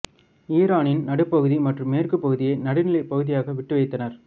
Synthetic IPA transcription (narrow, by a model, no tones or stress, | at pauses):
iːɾaːnɪnnɐɽɯpːɐɣɯðimɐʈrɯmːeːrkɯpːɐɣɯðɪjɐɪnɐɽɪnɪlɐɪpːɐɣɯðɪjaːɣɐʋɪʈːɯʋɐɪt̪ːɐnɐɾ